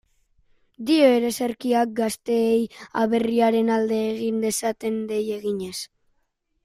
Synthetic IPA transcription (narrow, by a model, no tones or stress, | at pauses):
d̪io̞eɾe̞seɾkiak̚ɡast̪e̞ːjaβ̞e̞riaɾe̞nald̪e̞ːɣind̪e̞sat̪e̞nd̪e̞je̞ɣiɲe̞s